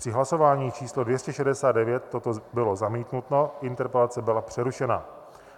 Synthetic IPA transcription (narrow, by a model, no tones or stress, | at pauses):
pr̥ɪɦlaso̞vaːɲiːt͡ʃiːslodvjɛscɛʃɛdɛsaːd̪dɛvjɛt̪ːot̪obɪlo̞zamiːt̪nut̪noʔɪnt̪ɛɾpɛlat͡sɛbɪlapr̝̥ɛɾuʃɛna̰